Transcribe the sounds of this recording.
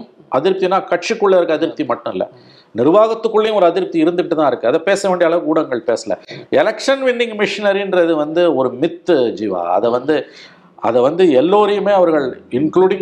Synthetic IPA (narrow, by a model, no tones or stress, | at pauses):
ʔɐðɪɾp̚t̪inãːkɐʈ̚t͡ʃikːɯɭːɐɪɾɯkːɯɐðɪɾɯp̚t̪imɐʈːʊ̃ɪlːɐ̰ | nɪɾʋaːɣɐt̪ːɯkːɯɭːejʊ̃ɔɾɯɐðɪɾp̚t̪iɪɾɯnd̪ɯkːɪʈːɯt̪ãːɪɾɯkːɯɐðɐpeːsɐʋeːɳɖɪjɐːɭɐʋɯɡuːɽɐŋɡɐɭpeːsɐlɐ̰ɛlɐkʂɐnʋɪnːɪŋɡmɪʂɪnɐɾiɪndrɐɪðɯʋɐnd̪ɯɔɾɯmɪt̪ːd͡ʒiːʋa̰ːɐ̰ðɛʋɐnd̪ɯ | ɐ̰ðɛʋɐnd̪ɯɛlːoːɾɐjɯmeːɐʋɐɾɣɐɭɪnkluːɽɪŋ